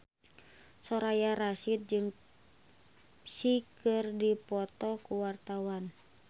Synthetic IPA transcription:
sɔɾajaɾasit̪̚d͡ʒɨŋ | sikɨrdipɔt̪ɔkuwart̪awan

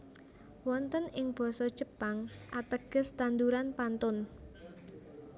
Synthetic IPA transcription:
wɔnt̪ənɪŋb̥ɔ̤sɔd̥ʒ̥ə̤paŋʔat̪əɡ̥ə̤st̪and̪uɾanpant̪ʊn

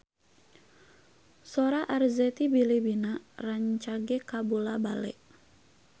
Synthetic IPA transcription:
sɔɾaʔarzɛt̪ibilibinaraɲt͡ʃaɡɛkabulabalɛ̰ʔ

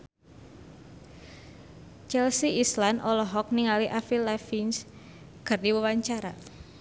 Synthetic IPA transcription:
t͡ʃɛlsiislanʔɔlɔɦɔk̚niŋaliʔafilɛfins | ɡ̥ərdiwəwaɲt͡ʃaɾa̰

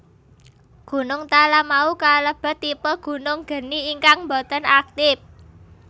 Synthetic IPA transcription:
ɡ̥ṳnʊŋt̪alamaukaləb̥ə̤t̪ːipəɡ̥ṳnʊŋɡ̥ə̤niːŋkaŋmbot̪ɔnak̚t̪ɪf

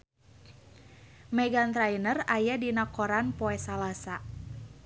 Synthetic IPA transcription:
mɛɡant̪ɾajnərajadinakɔɾanpɔɛsalasa

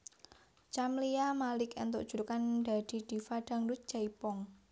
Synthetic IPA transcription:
t͡ʃamliamalɪkɛnt̪oʔdʒ̥ṳɾkanda̤d̪̥i̤d̪̥i̤faɖ̥a̤ŋlut̪̚d͡ʒ̥aipɔŋ

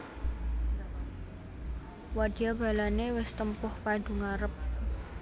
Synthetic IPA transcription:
wad̥iab̥a̤lanewɪst̪əmpʊhpaɖ̥ṳŋaɾəp̚

